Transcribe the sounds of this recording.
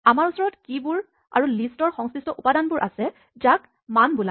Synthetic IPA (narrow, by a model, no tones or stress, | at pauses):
amaɹusɔɹɔtkibʊɹ | a̰ɹulistɔɹxɔŋskɹistɔʔupadanbʊɹʔa̰sɛ | zak | manbula